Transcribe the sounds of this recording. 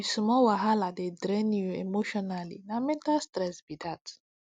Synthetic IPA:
isumɔwaɦaladedɾɛnjuemoʃɔnalinamɛ̃ntastɾɛsbidat

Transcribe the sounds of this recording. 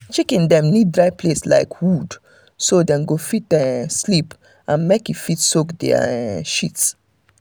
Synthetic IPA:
t͡ʃekĩndɛ̃mnid̚dɹaɪplesla̰ɪkwud | sodɛ̃mɡofit̚dɛslip | ãnmekifitsokdɛ̰a̰ʃits

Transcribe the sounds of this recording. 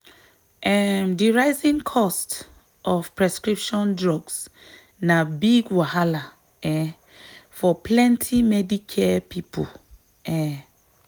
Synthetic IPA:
ʔɛmdiɹaɪzĩŋkʰɔst | ʔɔv̥pʰɹɛskɹipʃɔ̃ndɹɔɡs | nabiɡwahala | ɛ | fɔpʰlɛ̃ntʰimɛdikʰɛpʰipʰo̰ | ɛ

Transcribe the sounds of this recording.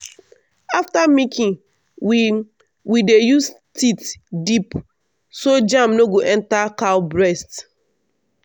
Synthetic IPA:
aftamĩkʰĩ | wi | widejus | titdip | sod͡ʒãmnoɡoʔɛ̃ntakaʊbɹɛst

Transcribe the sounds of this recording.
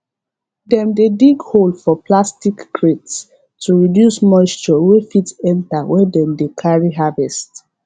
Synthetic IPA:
dɛ̃mdediɡholdfɔplastikːɹets | tʰuɹidjusmɔst͡ʃɔwefitɛ̃ntawɛdɛ̃mdekʰaɹiɦavɛst

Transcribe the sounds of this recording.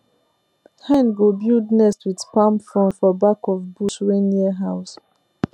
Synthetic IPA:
hɛ̃nɡobildnɛstwið̥pãmpfɹɔ̃ntfɔbakɔvbusɹeniɦaʊs

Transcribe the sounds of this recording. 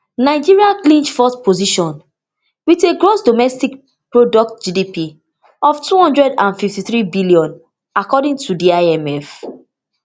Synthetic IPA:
naɪd͡ʒiɹiãnklĩnt͡ʃfɔspoziʃɔ̃n | witeɡɹosdomɛstik | pɹodɔk̚t̚d͡ʒidipi | ɔftuhɔ̃ndɹɛdãnfiftiθɹibiliɔ̃n | akɔdĩŋtʰudiaɛmɛf

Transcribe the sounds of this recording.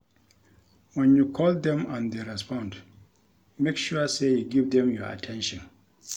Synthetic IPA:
wɛ̃njukʰɔlˠdɛ̃mãndeɹɛspɔ̃nd | mekʃuəsejuɡivdɛ̃mjɔa̰tʰɛ̃nʃɔ̃n

